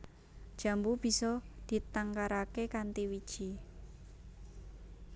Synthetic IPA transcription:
d̥ʒ̥ä̤mbub̥i̤sɔd̪̥i̤t̪aŋkaɾakekant̪iwid̥ʒ̥i

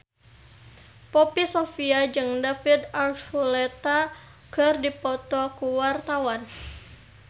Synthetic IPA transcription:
pɔpisɔfiad͡ʒɨŋdafid̪arfulɛt̪a | kɨrdipɔt̪ɔkuwart̪awan

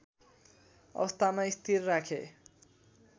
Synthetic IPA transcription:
ʌ̰st̪amaist̪ʰirːakʰḛ

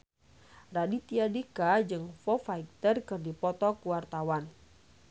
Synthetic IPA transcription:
radit̪iadikad͡ʒɨŋfɔfak̚t̪ərkɨrdipɔt̪ɔkuwart̪awan

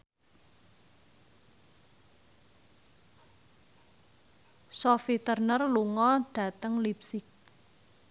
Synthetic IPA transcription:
sofit̪ərnərluŋɔɖ̥a̤t̪əŋlip̚sɪk̚

